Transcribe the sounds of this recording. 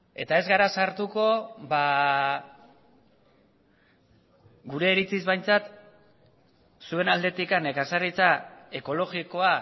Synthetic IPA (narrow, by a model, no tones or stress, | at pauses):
e̞̰t̪ae̞zɣaɾasaɾt̪uko̞ba | ɡuɾe̞ːɾit͡sizβajnt͡sat̪ | sue̞nald̪e̞t̪ikanekasarit͡sae̞ko̞lo̞ɣiko̞a